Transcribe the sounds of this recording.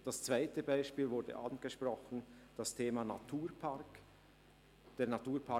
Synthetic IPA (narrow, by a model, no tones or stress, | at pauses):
d̥ast͡sv̥aɪtəbaɪʃpiːlvʊɾdə̰ʔanɡ̥əʃprɔχən̩d̥astʰeːmanatʰuːɾpʰaɾk | d̥eːɐnatuːɾpʰa